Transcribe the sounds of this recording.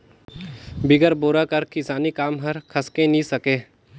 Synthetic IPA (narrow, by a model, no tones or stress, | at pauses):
bɪɡəɾboːɾakəɾkɪsaːnikaːmɦɐɾkʰɐskẽnisɐkẽː